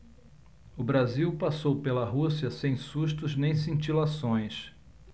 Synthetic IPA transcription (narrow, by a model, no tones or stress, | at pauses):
ʊbɾaziwpasowpelɐɦusiɐsẽj̃suʃt̪ʊznẽj̃s̬ĩnt͡ʃilasõj̃s